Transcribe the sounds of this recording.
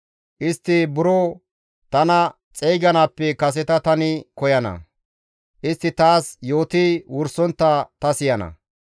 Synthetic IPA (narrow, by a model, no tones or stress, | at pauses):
ʔɪst̪ːɪbʊɾoː | t̪ɐnɐ | t͡sʼɛjɡɐnaːpːɛkɐs̬ɛt̪ɐt̪ɐnɪkɔjɐnɐ̰ | ʔɪst̪ːɪt̪aːsjo̞ːt̪iwʊɾsɔnt̪ːɐt̪ɐsɪjɐnɐ̰